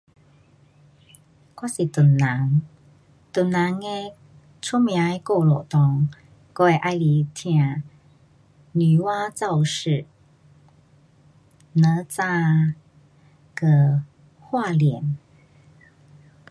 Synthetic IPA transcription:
kwa˥si˨t̪u˨˩nːa˨˧˦ŋ | t̪u˨˩nːa˧˦ŋe˧ | t͡sʰu˦˥mj̃a˨˧˦e˧˦ko˥˩lɔ˨t̪ɔ˧˩ŋ | ko˧e˧ʔa˧jli˧˦t̪ʰj̃ã˨˧˨ | ny˨˩wa˦˥t͡sa˥˧wʂɻ̩˥˨ | nə˨˧˦t͡sa˥˧˨ | kə˧˩ | hwa˥˧ljɛ˨˩˦n

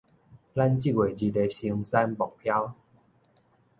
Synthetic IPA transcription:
la˦˧nt͡ɕi˦˥˨ɡwe˨˩d͡ʑi˧de˧˩ɕi˧ŋsa˧nbɔ˨˩k̚pʰja˦w

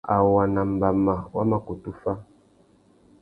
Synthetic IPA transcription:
a˨wa˨na˨m̩˨ba˨ma˨wa˦ma˦ko˨tu˦fa˦

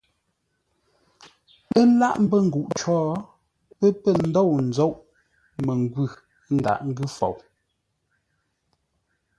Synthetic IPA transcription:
ə˦la˦ʔm̩˦bə˦˨ŋ̩˨ɡu˨ʔt͡ʃɔː˦ | pə˦pə˦˨n̩˦dɔ˦˨wn̩˨d͡zo˦˨ʔ | me˨ŋ˨ɡwʉ˦˨˦ | n̩˦da̰˨ʔŋ̩˦ɡʉ˦˨fo̰˨w

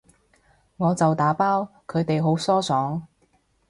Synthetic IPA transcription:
ŋɔː˨˧t͡sɐ˨wt̪aː˨˥paː˥wkʰɵ˨˧t̪e˨jɦo˨˥wsɔː˥sɔː˨˥ŋ

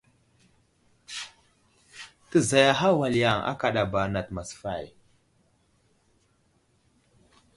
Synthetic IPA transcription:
tə˦˨za˨ja˦ɦa˦wa˨li˨ja˨ŋa̰˦ka˨ɗa˨ba˨na˨tma˨sfa˦˨j

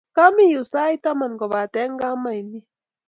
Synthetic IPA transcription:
ka˦mi˦˨ju˨sa˦jt̪a˦ma˨nɡɔ˨βa˨t̪ɛ˦ŋ˦ɡa˦ma˨jmi˦

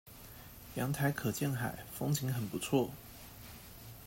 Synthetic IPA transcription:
jɑ˧˥ŋt̪ʰa˧˥ɪkʰɤ˨˩t͡ɕjɛ˥˩nxa̰˨˩ɪfo˥ŋt͡ɕʰi˧˥ŋxə˨˩npu˧˦t͡sʰwɔ˥˨

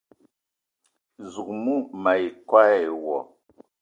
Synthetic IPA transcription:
zu˨k̚mu˦ma˨i˨kwa˦ɛ˦˨wɔ̰˨

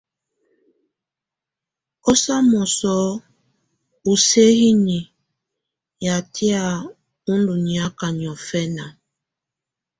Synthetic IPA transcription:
ɔ˦sa˦mɔ˨sɔ˦ | u˨se˦ɣi˦ni˨ | ja˨tʰi˦a˨ | u˦ndu˨ni˨a˦ka˨ɲ˨ɔ˨fɛ˦na˨

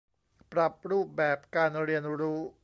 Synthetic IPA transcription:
pɾa˨˩p̚ɾuː˥˩p̚bɛː˨˩p̚kaː˧nɾi˧ənɾuː˦˥

